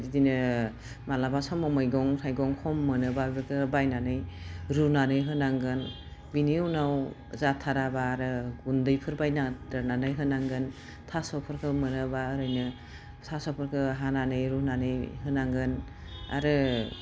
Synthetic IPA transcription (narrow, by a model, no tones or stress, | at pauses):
zidinɯ | malabasɔmɔmɯjɡɔŋsʰajɡɔŋhʰɔmːɯnɯbabɯkʰɯbajnanɯjɾunanɯjɦɯnaŋɡɯn | biniunaw | zatʰaɾabaːɾɯɡundɯjpʰɯɾbajnadaɾnanɯjɦɯnaŋɡɯn | tʰasɔpʰɯɾkʰɯmɯnɯbaɾɯjnɯ | tʰasɔpʰɯɾkʰɯɦananɯjɾunanɯjhɯnaŋɡɯn | a̰ɾɯ